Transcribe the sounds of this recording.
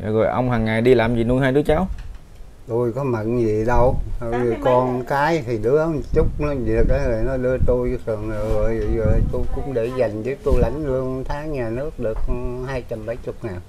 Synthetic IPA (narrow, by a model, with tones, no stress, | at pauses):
a˨˩ɣo̰˨˩jʔə˧wŋ͡mɦaː˨˩ŋːa˨˩jɗi˧laː˨˩mzḭ˨˩nu˧ɦaː˧jɗɨ˨˦ət͡ɕaː˨˦w | t̪u˧jkɔ˨˦mə̰˧˨nzi˨ɗə˧wə˨˩zɨ˨kɔ˧˩nkaː˨˦jt̪ʰi˨˩ɗɨ˨˦əʔə˧˦nt͡ɕʊ˦˥k͡p̚nɔ˨˦zi˨˩ək̚ə˨˦zə˨˩jnɔ˨˦ɗɨ˧ət̪u˧jt̪ʰɨ˨˩əŋɨ˨˩o˨˩jzə˨˩t̪u˧jkʊ̰˧˥ŋ͡mɗe˧˩za˨˩jŋ̟zə˨˦t̪u˧jla˨˦jŋ̟lɨ˧əŋt̪ʰaː˨˦ŋɲaː˨˩nɨ˦˥ək̚ɗɨ˨˩ək̚haː˧jt͡ɕa˧mɓə˨˦jt͡ɕʊ˨˦˥k͡p̚ŋaː˨˩n